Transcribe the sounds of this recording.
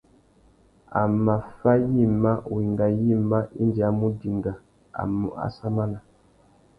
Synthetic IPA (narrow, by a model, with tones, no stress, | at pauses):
a̰˨ma˨fa˦ji˦˨ma˦u˨i˨ŋɡa˨ji˦ma˦ʔi˦ndi˨a˨˦mu˦di˨ŋɡa˨ | a̰˨mu˨a̰˨sa˦ma˦la˨